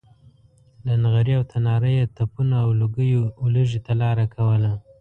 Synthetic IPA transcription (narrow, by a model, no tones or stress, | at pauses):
lanɣaɾiawt̪ʰanɑɾəjet̪apunaːwluɡəjoːləʒit̪alɑɾakʰawəla